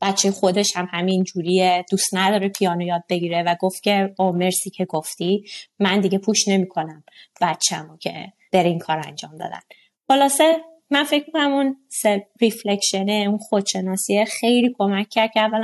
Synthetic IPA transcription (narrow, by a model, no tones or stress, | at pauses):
b̥æt̪t͡ʃʰːejexo̞d̪e̞ʃhæmhæmind͡ʒuɾijed̪̥ust̪næd̪ɒːɾepʰijɒːnojɒːd̪̚be̞ɡiːɾevæɡoft̪̚kʲʰe̞omeɾsicʰeɡoft̪imænd̪iɡe̞pʰuʃne̞miːkʰo̞næmb̥æt̪t͡ʃʰæmocʰḛ | b̥e̞ɾeiŋkʰɒːɾæ̰nd͡ʒɒːmd̪ɒ̰ːd̪æ̰n | xolɒːse | mænfe̞cmikʰonæmunseriflekʃeneunxod̪ʃe̞nɒːsiexejliːkʰo̞mæcʰʲːæɾd̪̚cʰæævːæl